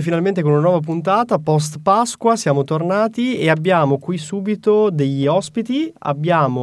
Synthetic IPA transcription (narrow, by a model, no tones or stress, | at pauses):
finalment̪ekonunanwɔːvap̬unt̪aːt̪apɔs̬t̪paskwasjaːmot̪ornaːt̪ieabːjaːmokwisːuːbit̪od̪eʎːiɔspit̪ia̰bːjaːmo